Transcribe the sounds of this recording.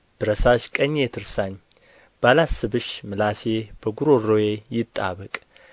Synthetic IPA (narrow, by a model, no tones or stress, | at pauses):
b̪̥ɨɾəsaʃkʼəɲːet̪ʰɨɾsaɲ | b̥alasɨbɨʃmɨlaseb̥əɡuɾorojejɪt̪ʼːa̰βəkʼ